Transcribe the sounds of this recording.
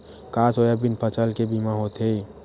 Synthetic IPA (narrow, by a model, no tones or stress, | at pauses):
kasojabinpʰət͡ʃəlkebimãɦot̪ei